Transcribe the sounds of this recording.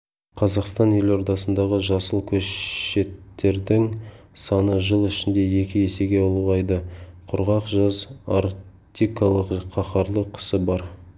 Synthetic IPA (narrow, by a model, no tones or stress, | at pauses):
qʰɑzɑqst̪ɑne̞lo̞ɾd̪ɑsənd̪ɑʁəʒɑsəlˠkʲʰɵʃe̞t̪ːe̞ɾd̪ɪŋ | sɑnəʒəlˠɪʃɪnd̪e̞je̞kʲɪje̞se̞ɡʲeolˠuʁɑjd̪əqʰʊɾʁɑqʒɑza̰ɾ | t̪ʲikɑlˠəqqʰːɑqɑɾlˠəqʰə̥səbɑɾ